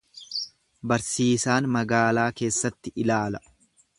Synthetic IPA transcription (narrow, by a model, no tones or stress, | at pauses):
bɐɾsiːsaːnmɐɡaːlaːke̞ːsːɐt̪ːɪʔɪlaːlɐ